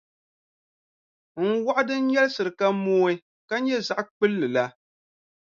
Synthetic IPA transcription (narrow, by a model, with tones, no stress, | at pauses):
ŋ̩˦wa˦ʔʊ˦dɨ˦n̩˦ɲɛ˦lsɨ˨ɾɨ˨ka˦moː˦i˦ | ka˦ɲɛ˦za˨ʔk͡pɨ˦lːɨ˨la˦